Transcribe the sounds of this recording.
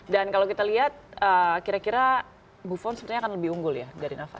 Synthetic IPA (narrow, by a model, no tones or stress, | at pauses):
dankalowkit̪aliɦat̪̚əkiɾakiɾa | bufɔnsəpət̪iɲakanləbɪhuŋɡʊljadaɾinafa̰t̪